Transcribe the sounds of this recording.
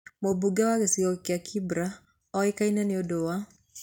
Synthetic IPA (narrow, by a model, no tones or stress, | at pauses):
mobuɡawaɣesiɔkeakʰibɾa | ɔekainaneɔdowa